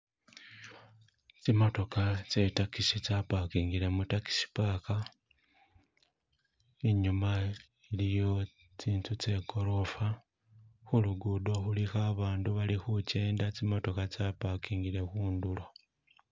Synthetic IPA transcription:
t͡simo̞to̞kat͡se̞takisit͡sapakiːŋɡile̞mutaki̥si̥paːka | iɲuma | ilijo̞ | t͡siːntut͡se̞ko̞ɾo̞fa | xuluɡudo̞xulixaβaːnduβalixuce̞ːndat͡simo̞to̞kat͡sapakiːŋɡile̞xuːndulo̞

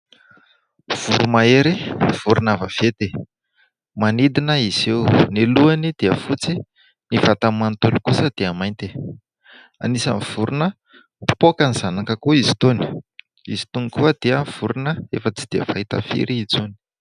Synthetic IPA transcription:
v̥uɾumaeɾiv̥uɾunavav̥et̪e | manid̪inəiz̥ewneluanid̪̥eəfut͡si | nivat̪amant̪olikusəd̪̥eamajnt̪i̥ | a̰nisa̰niv̥uɾunə̥ | pokanizanakəkuizi̥t̪oni̥ | ḭzi̥t̪unikuəd̪̥eəv̥uɾunəefət͡si̥d̪̥iə̰vaɦit̪a̰fḭɾiid͡zuni̥

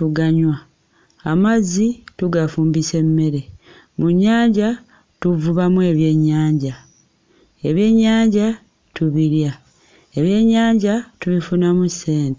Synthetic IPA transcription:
tuɡaɲwa | amazːituɡafuːmbise̞mːe̞ɾe̞ | muɲːaːɲɟa | tuvuβamue̞ːβje̞ɲːaːɲɟa | e̞βje̞ɲːaːɲɟa | tuβiɾja | e̞βje̞ɲːaːɲɟatuβifunamuse̞ːnte

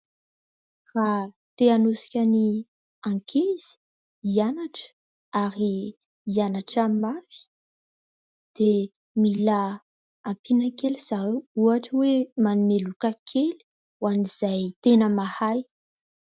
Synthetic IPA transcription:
ra | t̪eanusi̥kʲani | ãŋkʰez̥i̥ | ianaʈ͡ʂə̥ | aɾiː | anaʈ͡ʂamafi̥ | d̪̥e | mila | ampinəkeliz̥auaʈ͡ʂəwemanunelukakʰeli̥ | waniz̥ajt̪enəmahaj

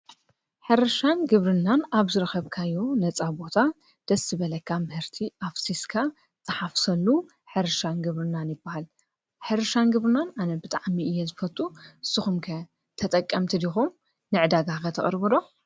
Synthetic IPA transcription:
ħɨɾɐʃanɡɨβɾɨnːanaβzɨɾɨxɐβkʰajunɐt͡sʼabo̞t̪ʰa | d̪̥ɐsːɨβɐlɐkʰːamɨhɨɾt̪ʰiʔafsiskʰa | t̪ʼɐħafsɐlːu | ħɨɾɨʃanɡɨβɾɨnːanjɪbːahal | ħɨɾɨʃanɡɨβɾɨnananɐbɨt̪ʼaʕmiɨjːezɨfɐt̪ʼuʔɨsːɨxumkʰɐ | t̪ʰɐt̪ʼɐkʼːɐmt̪ʰid̪ixum | nɨʕɨd̪aɡakʰɐt̪ʰɐ̰χʼɨɾbɨlo̞

